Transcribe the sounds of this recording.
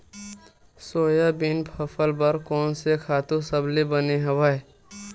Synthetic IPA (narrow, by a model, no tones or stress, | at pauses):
soːjabinpʰəpʰəlbəɾkɔːnsekʰaːt̪ũsəblibəneɦəʋəe